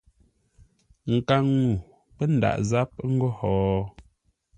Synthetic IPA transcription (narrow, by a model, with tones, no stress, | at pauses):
ŋ̩˨ka˦˨ŋːu˨ | pɛ˦n̩˨da̰˨ʔza˦p̚ŋ̩˦ɡo˦hɔː˨˦